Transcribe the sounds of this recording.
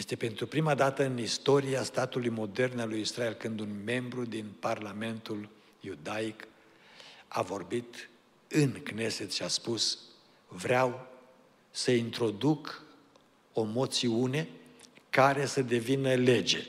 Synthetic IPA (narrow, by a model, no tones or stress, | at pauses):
jest̪e̞pe̞nt̪ɾupɾimad̪at̪əɨnist̪o̞ɾiast̪at̪ulujmo̞d̪e̞rnalujisɾae̞lkɨnd̪unme̞mbɾud̪inparlame̞nt̪ul | jud̪aik | a̰vo̞rbit̪ | ɨnkne̞set̪ʃiaspus | vɾeaw | səint̪ɾo̞d̪uk | o̞mo̞t̪siune̞kaɾe̞səd̪e̞vinəle̞d͡ʒe̞̰